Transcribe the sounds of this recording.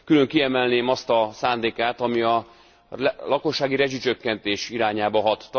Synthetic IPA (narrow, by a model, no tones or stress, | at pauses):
kyløŋkiɛmɛlneːmɒst̪ɒsaːnd̪eːkaːt̪ɒmiɒ | lɒko̞ʃːaːɡiɾɛʒit͡ʃø̞kːɛnt̪eːʃiɾaːɲaːbɒɦɒt̪ːɒ